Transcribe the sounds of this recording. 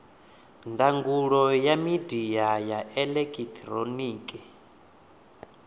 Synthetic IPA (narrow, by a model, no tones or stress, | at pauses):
ndaŋɡuɺɔjamidiajaɛlɛkʼit̪ʰɾoniːkʼɛ